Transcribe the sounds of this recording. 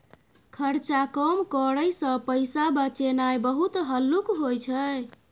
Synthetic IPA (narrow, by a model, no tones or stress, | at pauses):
kʰəɾt͡ʃakəmkəɾəjsə̃pəjsabət͡ʃenajbəɦut̪ɦəlːukɦojt͡ʃʰə